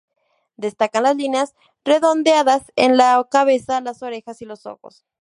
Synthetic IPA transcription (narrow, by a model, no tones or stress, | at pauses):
d̪e̞st̪akanlazlineas | re̞ðo̞nd̪eaðasḛnlakaβ̞e̞salaso̞ɾe̞xasilo̞so̞̰xo̞̰s